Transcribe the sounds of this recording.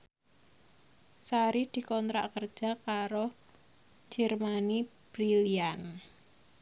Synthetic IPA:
saɾid̪̥i̤kɔnt̪ɾa̰ʔkərd̥ʒ̥a̤kaɾo̥ | d͡ʒ̥ɛrmanib̥ɾilian

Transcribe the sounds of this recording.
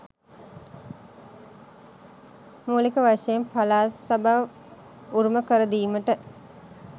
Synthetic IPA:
muːlikəʋaʂejempalaːsabaʋ | uɾuməkəɾəd̪iːməʈə

